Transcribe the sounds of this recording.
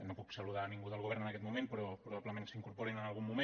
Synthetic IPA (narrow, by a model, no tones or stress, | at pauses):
nopuksəluðaːniŋɡuðəlɣuβɛɾnənəkɛt̪mumẽnpɾɔpɾuβaβləmẽŋksəiŋkuɾpoɾinənalˠɣumːume